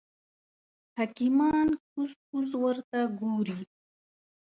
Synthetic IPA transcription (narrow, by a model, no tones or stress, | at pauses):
hakimɑːnkuzkuzwəɾt̪aɡoːɾi